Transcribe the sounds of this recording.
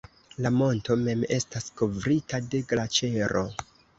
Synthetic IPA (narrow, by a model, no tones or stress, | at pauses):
lamo̞nto̞me̞me̞stasko̞vɾitade̞ɡlat͡ʃe̞ɾo̞